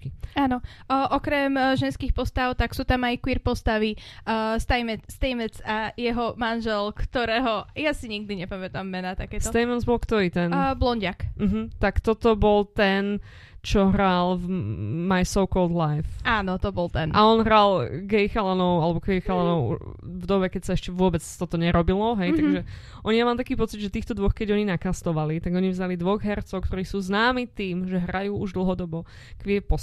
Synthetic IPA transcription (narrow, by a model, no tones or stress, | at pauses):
kiaːnɔʔɔkɾɛmʒɛnskixpɔst̪aʊt̪aksuːt̪amajkwiːɾpɔst̪aʋist̪ajmɛst̪ɛjmɛt͡sajɛɦɔmanʒɛlkt̪ɔɾɛːɦɔjasiɲiɡ̚d̪iɲɛpamɛt̪amːɛnat̪akɛːtsɔt̪ɛjmɛzbɔlkt̪ɔɾiːt̪ɛnblɔɲɟakm̩ɦ̩t̪akt̪ɔt̪ɔbɔlt̪ɛn | t͡ʃɔɦɾal | majsɔʊkɔld̪lajfaːnɔt̪ɔbɔlt̪ɛnʔaɔnɦɾalɡɛjxalanɔʊalɛbɔkʋɛxalanɔʊṵvd̪ɔbɛkɛcsaɛʃcɛʋʊɔbɛt͡st̪ɔt̪ɔɲɛɾɔbilɔɦɛjt̪aɡʒɛ | ʔɔɲijamalt̪akiːpɔt͡sid̪ʒɛt̪iːxt̪ɔd̪ʋɔxkɛɟɔɲinakast̪ɔʋalit̪aɡɔɲivzalid̪ʋɔɣɦɛɾt͡sɔʊkt̪ɔɾiːsuːznaːmiːt̪iːmʒɛɦɾajuːuʒd̪l̩ˠɦɔd̪ɔbɔ | kʋɪɛpɔ